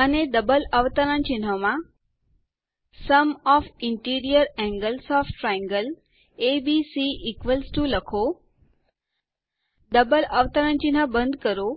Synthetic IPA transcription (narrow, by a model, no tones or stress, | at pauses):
əned̪əbələʋt̪əɾənt͡ʃɪn̤ɦəmã | səmɔfɪɳʈiɾijəɾɛ̃ŋɡəlsɔfʈɾaɛ̃ŋɡəl | ebisiʔːkʋəlsʈũləkʰo | d̪əbələʋt̪əɾənt͡ʃinɦəbə̃nd̪kəɾo